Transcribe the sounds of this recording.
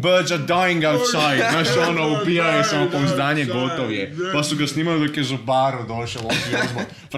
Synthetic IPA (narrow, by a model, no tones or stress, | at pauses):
bəɾd̪zadajĩŋɡawt̪sajd̪naʃonoupijajesamokonzd̪aːɲeɡot̪oʋjepasuɡasniːmalid̪okjezubaɾud̪oʃelˠosizbo | f